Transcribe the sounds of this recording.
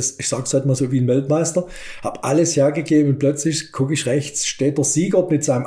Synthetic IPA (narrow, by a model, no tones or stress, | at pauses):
sɪçsaːɡshɔɪtmaːlzoːviːənvɛltmaɪstɐ | ha̰b̥ʔa̰ləsheːɐɡəɡeːbn̩ʊnt̚plœt͡slɪçkʰʊkɪçʁɛçt͡sʃteːt̚d̥əɐziːɡəmɪtz̥aɪnəm